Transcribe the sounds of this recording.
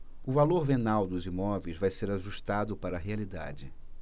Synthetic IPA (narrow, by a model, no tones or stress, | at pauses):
ʊvaloɾvenawd̪ʊzimɔvejzvajseɾaʒuʃt̪ad̪ʊpaɾɐːɦealid̪a̰d͡ʒɪ